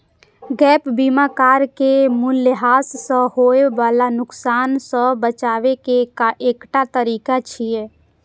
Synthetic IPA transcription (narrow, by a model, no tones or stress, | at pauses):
ɡɛːpbiːmakaːɾkemʊlːɪɦaːsːə̃hoːeʋaːlanʊksaːnsə̃bət͡ʃaːʋekekaʔeːkʈat̪əɾiːkat͡ʃʰieː